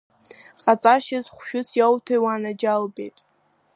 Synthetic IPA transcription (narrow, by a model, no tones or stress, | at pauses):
qʼat͡sʼaʃɪzχʷʃᶣʊsʰjawtʰajwanad͡ʒalbḛjtʼ